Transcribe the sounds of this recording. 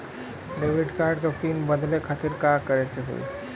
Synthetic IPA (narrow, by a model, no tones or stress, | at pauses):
ɖeʋiɖkaɾɖkopinbəd̪lekʰat̪iɾkakəɾet͡ʃʰeɦo̰ḭ